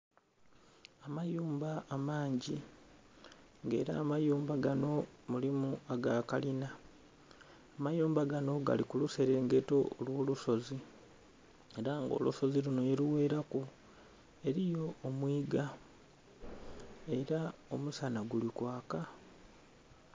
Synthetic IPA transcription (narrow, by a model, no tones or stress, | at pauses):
amajuːmbaːmaːɲɟi | ŋɡe̞̰ːɾa̰ːmajuːmbaɡano̞mulimuaɡaːkalina | majuːmbaɡano̞ɡa̰likuluse̞ɾe̞ːŋɡe̞to̞olwo̞ːluso̞zi | e̞ɾaŋɡo̰luso̞ziluno̞jeɾiwe̞ːɾaku | e̞ɾijo̞ːmwiːɡa | e̞ɾao̞musanaɡulikwaːka